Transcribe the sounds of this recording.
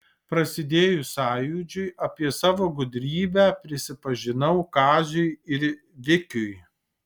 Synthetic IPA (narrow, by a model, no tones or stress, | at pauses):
pɾɐsʲɪd̪ʲeːjʊsɑːjuːd͡ʒʲʊɪʔɐpʲiɛsɑːʋoːɡʊd̪ʲɾʲiːbʲæːpʲɾʲɪsʲɪpɐʒʲɪnɐʊkɑːzʲʊɪɪɾ | ʋʲɪkʲʊj